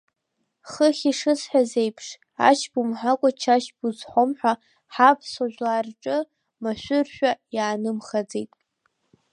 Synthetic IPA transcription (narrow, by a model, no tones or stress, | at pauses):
χəχʲiʂɨsħazejpʰʂ | a̰ʃʰbumħakʷʼat͡ʃʰaʃbuzħʷomħʷᶣa | ħapʰsoʒʷᶣlaːrʈ͡ʂʼɨ | maʃʷᶣʊrʃᶣajaːnɨmχad͡zejtʼ